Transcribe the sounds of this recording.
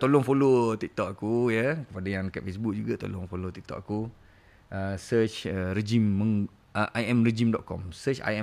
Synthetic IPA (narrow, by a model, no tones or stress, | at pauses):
t̪olɔŋfolot̪ik̚t̪ɔʔ̚akujəkəpadajãŋkaʔ̪fes̬buk̚d͡ʒuɡat̪o̰lʊŋfolot̪ik̚t̪ɔ̰ʔ̚aku | əsət͡ʃəɾed͡ʒimːə̃ŋ | əʔajɛmred͡ʒimdɔʔ̪̚kɔ̰msət͡ʃa̰jɛ